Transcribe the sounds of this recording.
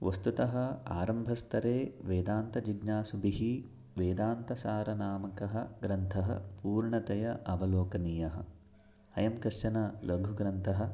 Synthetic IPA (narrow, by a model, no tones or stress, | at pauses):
ʋɐst̪ut̪ɐɦɐ̆a̰ːɾɐmbʱɐst̪ʰɐɾeːʋeːd̪aːnt̪ɐd͡ʒiɡnaːsubiɦi | ʋeːd̪aːnt̪ɐsaːɾɐnaːmɐkɐɦɐɡɾɐnt̪ʰɐɦɐ̰puːɾɳɐt̪ɐjɐʔɐbɐloːkɐniːjɐɦɐ̰̆ | hɐjɐmkɐʃɐnɐlɐɡʱuɡɾɐnt̪ʰɐɦɐ̆